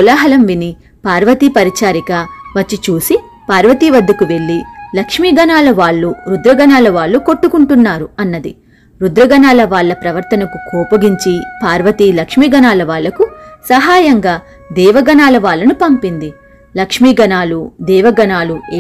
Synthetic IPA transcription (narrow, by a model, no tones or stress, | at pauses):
ulaːɦɐlɐmʋini | paːɾʋɐt̪ipɐɾit͡ʃaːɾikɐʋɐt͡ʃːit͡ʃuːsi | paːɾʋɐt̪iʋɐd̪ːɐkuʋe̞ɭːilɐkʂmiːɡɐnaːlɐʋaːɭːuɾud̪ɾɐɡɐnaːlɐʋaːɭːuko̞ʈːukuɳʈunːaːɾuɐnːɐd̪ḭ | ɾud̪ɾɐɡɐnaːlɐʋaːɭːɐpɾɐʋɐɾt̪ɐnɐkukʰɔːpɐɡiɲt͡ʃipaːɾʋɐt̪ilɐkʂmiːɡɐnaːlɐʋaːɭːɐkusɐɦaːjɐŋɡaː | d̪ɛːʋɐɡɐnaːlɐʋaːɭːɐnupɐmpind̪i | lɐkʂmiːɡɐnaːlud̪ɛːʋɐɡɐnaːlu